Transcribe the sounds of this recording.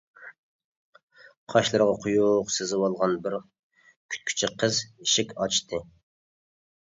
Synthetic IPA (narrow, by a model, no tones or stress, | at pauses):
qʰɑʃlˠɨɾʁɑqʰʊjuqsɪzɪwɑlˠʁɑnbɪɾ | kʲʰy̥t̪̚kʲʰy̥t͡ʃʰɪqʰəziʃɪkʲɑt͡ʃt̪ʰɨ